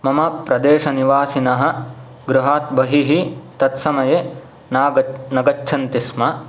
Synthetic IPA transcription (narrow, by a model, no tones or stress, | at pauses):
mɐmɐpɾɐd̪eːʃɐniʋaːsinɐɦɐ̆ | ɡɾuɦaːt̪̚bɐɦiɦit̪ɐt̪sɐmɐjeː | naːɐnɐɡɐt͡ʃːt͡ʃʰɐnt̪ismɐ